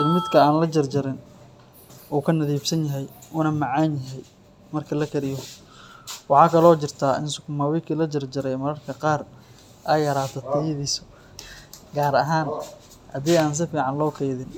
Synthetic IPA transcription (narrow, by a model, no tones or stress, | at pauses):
ɪmɪd̪kʰɐaːnlɐt͡ʃɐrd͡ʒɐɾɪn | uːkʰɐnɐðiːbsɐnjɐɦɛjʊːnɐmɑʕɑːnjɐɦɛj | mɐrkʰɐlɐkʰɐɾɪjɔ | wɑħɑːkʰɐlɔːt͡ʃɪrt̪ʰaːʔɪ̰nsʊkʰʊmaːwɛjkʰiːlɐt͡ʃɐrd͡ʒɐɾɛjmɐɾɐrkʰɐqɑːr | ʔɛjɐɾaːt̪ʰɔt̪ʰɪjðisɔ̥ | ɡaːɾɐɦaːn | hɐ̰d̪iːaːns̬ɪfiːʕɑnlɔːkʰɛjðɪn